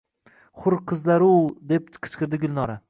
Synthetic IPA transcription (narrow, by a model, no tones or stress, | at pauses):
χʊɾqʰɨzlaɾud̪e̞p̚t̪ʰqʰɪ̥t͡ʃqɨɾd̪ɪɡʊlˠnɒɾa